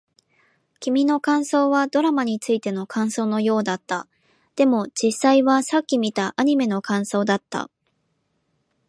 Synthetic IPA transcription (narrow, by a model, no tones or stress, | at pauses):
kʲimʲino̞kãɰ̃so̞ːβad̪o̞ɾamaɲ̟it͡sɨit̪e̞no̞kʰãɰ̃so̞ːno̞jo̞ːd̪at̪ːa | d̪̥e̞mo̞d͡ʑisːaiβasakʲːimʲit̪aʔaɲ̟ime̞no̞kãɰ̃so̞ːd̪at̪ːa̰